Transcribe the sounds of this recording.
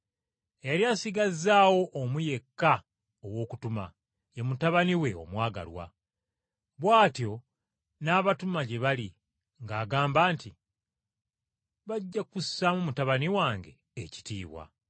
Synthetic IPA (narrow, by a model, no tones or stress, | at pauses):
jaɾjaːsiɡazaːwo̞ʔːmuje̞kːa | owo̞ːkutuma̰ | jemutaβaniwe̞o̞̰mwaːɡa̰lwa̰ | βwaːtjo̞ | naːβatumaɟe̞βali | ŋɡaːɡaːmbaːnti | βaɟːakusːamumutaβaniwaːŋɡe̞̰ːci̥tḭːβwa̰